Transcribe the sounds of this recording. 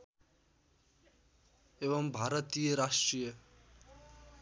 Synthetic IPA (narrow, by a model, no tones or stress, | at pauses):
eʋəmbʱaɾət̪ijəɾaʂʈɾijə